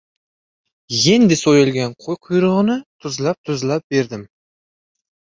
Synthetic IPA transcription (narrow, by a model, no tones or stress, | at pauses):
jend̪ɪsojɪlˠɡʲanqʰojqʰʊjɾʊʁɨnɪt̪ʰʊzlˠap̚t̪ʰʊzlˠap̚be̞ɾd̪ɪm